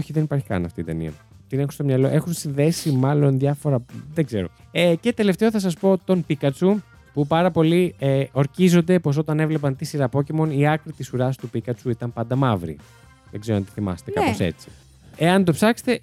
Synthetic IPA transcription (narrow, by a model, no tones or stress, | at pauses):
oçiðe̞nipɐɾçi̥kɐ̰nɐ̰ft̪ḭːt̪enḭɐ̰ | t̪inexunst̪omɲɐloʔe̞xunsinðe̞simɐlo̞nðjʝɐfo̞ɾɐðeɡze̞ɾo̞̰ece̞t̪e̞left̪e̞oθɐs̬ɐspo̞t̪o̞npikɐt͡su | pupɐɾɐpo̞lieo̞ɾcizo̞nd̪e̞po̞s̬o̞t̪ɐne̞vle̞pɐnt̪isiɾɐpo̞cemo̞niɐkɾit̪isuɾɐst̪upikɐt͡suit̪ɐmpɐnd̪ɐmɐvɾḭ | ðeɡzeoɐnt̪iθimɐ̰se̥t̪ekɐpose̞̰t͡si̥ | eɐnt̪o̞psɐkse̥t̪e̞